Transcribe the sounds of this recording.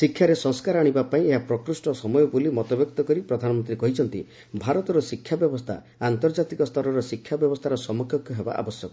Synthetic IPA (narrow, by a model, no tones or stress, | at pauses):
sikʰːjaɾesɔ̃ŋskaɾɔaɽ̃ibapaĩeɦapɾɔkɾusʈɔsɔmɔjɔbulimɔt̪ɔbjɔkt̪ɔkɔɾipɾɔd̪ʱanɔmɔnt̪ɾikɔɦit͡ʃʰɔnt̪ḭ | bʱaɾɔt̪ɔɾɔsikʰːjabjɔbɔst̪ʰa̰ | ant̪ɔɾd͡ʒat̪ikɔst̪ʰɔɾɔɾɔsikʰːjabjɔbɔst̪ʰaɾɔsɔmɔkʰjɔkʰjɔɦeba̰ʔa̰bɔsjɔkɔ